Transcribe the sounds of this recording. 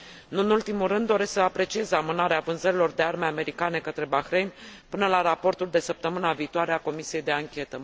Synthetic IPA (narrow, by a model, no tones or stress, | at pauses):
ɨnɨnult̪imulrɨnd̪ːo̞ɾe̞sksəapɾe̞t͡ʃie̞zamɨnaɾeavɨnzəɾilo̞rd̪e̞armeame̞ɾikane̞kət̪ɾe̞baxɾe̞jnʲpɨnəlaɾapo̞rt̪uld̪e̞səp̚t̪əmɨnaviːt̪oaɾeako̞misije̞jd̪e̞aŋkʲe̞t̪ə